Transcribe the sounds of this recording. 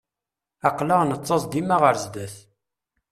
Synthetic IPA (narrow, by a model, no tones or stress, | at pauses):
ɑqləʁnət͡sˤːɑsd̪imaʁəɾzd̪æθ